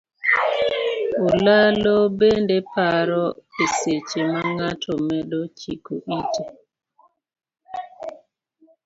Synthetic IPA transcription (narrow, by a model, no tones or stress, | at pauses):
olalobendepaɾɔeset͡ʃemaŋatʰɔmɛdot͡ʃikoʔite